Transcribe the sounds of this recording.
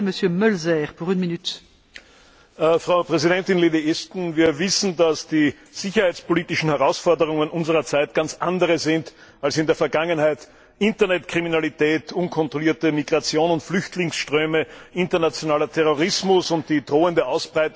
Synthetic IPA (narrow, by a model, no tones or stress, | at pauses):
məsjømœlzɛːʁpuʁynminyt̪ | fʁaʊpʁ̥ɛzidɛntɪnleːdiʔɛstn̩viːɐvɪsn̩dasd̥iː | z̥ɪçɐhaɪt͡spoliːtɪʃn̩hɛʁaʊsfɔɐdəʁ̞ʊŋənʔʊnzəʁɐt͡saɪt̚ɡ̥ant͡sʔa̰ndəʁəzɪnt | alsɪndeːɐfɛɐɡaŋənhaɪt | ʔɪntɐnɛtkʁ̥iminalitʰɛːtʰʔʊnkʰɔntʁ̥oliːɐtəmiɡʁat͡sjoːnʊntflʏçtʰlɪŋsʃtʁ̥øːməɪntɐnat͡sjonaːlɐtʰɛʁoʁɪsmʊsʊnt̚d̥iːd̥ʁoːəndəaʊsb̥ʁaɪt